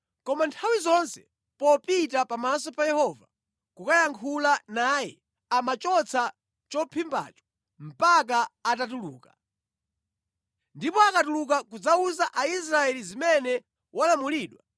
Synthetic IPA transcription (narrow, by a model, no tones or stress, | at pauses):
kɔmantʰawizɔnsɛ | pɔpitapamasɔpajɛhɔva̰ | kukajaŋkʰulanajɛ̰ | amat͡ʃɔt͡sʰa | t͡ʃɔpʰimba̰ːt͡ʃɔ̥ | m̩pak̬aatatuluːkḁ | ndipɔakatuluk̬akud͡zauzaʔais̬ɾaɛlizimɛnɛ | walamuliːɗwa